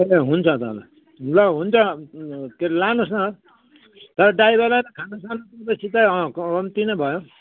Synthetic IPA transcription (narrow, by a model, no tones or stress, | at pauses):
ʌleɦunt͡sʰʌt̪ʌla | lʌɦunt͡sʰʌ | keɾlanosnʌ | t̪ʌɾʌɖaibʌlaɾʌkʰanasanot̪ʌt̪ʌsʰit̪ajkʌmt̪inʌbʱʌjõ